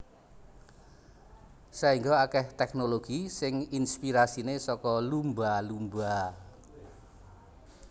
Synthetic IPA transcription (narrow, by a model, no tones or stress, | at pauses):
saiŋɡɔakɛht̪ɛk̚noloɡ̥isɪŋinspiɾasinesɔkɔlumbalumba